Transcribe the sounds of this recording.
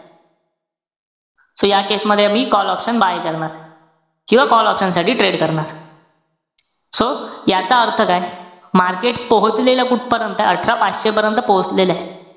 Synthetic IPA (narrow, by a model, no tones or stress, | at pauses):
sojakesməd̪ʱːjeamiːkɔlɔpɕənbajkəɾɳaɾ | kĩw̃ʋakɔlɔpɕənsaʈʰiːʈɾeɽkəɾɳaɾ | sojat͡saəɾt̪ʰəkajmaɾkeʈpoɦət͡slelakuʈ̚ʰpəɾjənt̪əəʈʰɾapat͡sɕepəɾjənt̪əpoɦət͡slelae